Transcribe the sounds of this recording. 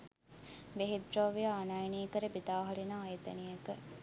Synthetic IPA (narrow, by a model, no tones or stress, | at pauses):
beɦid̪ɾoːʋijaːnajniːkəɾebid̪aːɦɐɾinaːjet̪ɐ̰nijɐkə